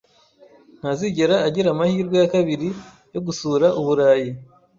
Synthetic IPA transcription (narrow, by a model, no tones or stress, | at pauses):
n̥haziɟe̞ɾaːɟiɾamahiːɾɡwejakaβiɾi | jo̞ɡusuːɾaʔuβuɾaːji